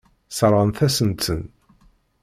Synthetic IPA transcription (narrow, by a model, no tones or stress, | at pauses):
sɾˤənθæsənt̪ən